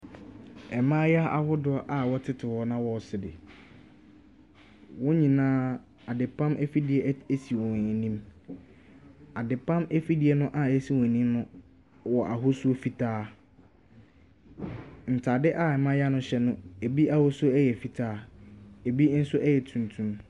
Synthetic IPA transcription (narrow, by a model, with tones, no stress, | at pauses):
ɛ˨mã˦ja˦a˨hʊ˦dʊ˨˦a˦ʔa˨wɔ˦tʰɪ˦tʰɪ˨wɔ˨nã˦wɔ˨sɪ˨dɪ̰˨ | wɔ̃˦ɲĩ˨nãː˦ | a˨dɪ˨pʰã˦mʔɛ˦fi˦dɪ˨ɛ˨e˦si˨wɔ̃˨nĩ˦m | a˨dɪ˨pʰã˦mɛ˦fi˦dɪ˨ɛ˦nʊ̃˦ʔa˨e˦si˨wɔ̃˨nĩ˦mnʊ̃˦ | wɔ˨ʔa˨ɦʊ˦su˦o˦fi˨tʰaː˦ | n̩˨tʰa˨dɪ˦ʔa˨ɛ˨mã˦ja˦nʊ̃˦ɕɛ˦nʊ̃˦e˨bi˦ʔa˨hʊ˦sʊ˦ɛ˦jɛ˨fi˨tʰaː˦e˨bi˦n̩˦sʊ˦ʔɛ˦jɛ˨tʰũ˨n˨tʰũ˦m